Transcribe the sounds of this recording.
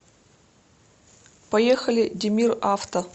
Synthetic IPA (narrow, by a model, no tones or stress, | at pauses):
pɐjexəlʲɪdʲɪmʲiraft̪ə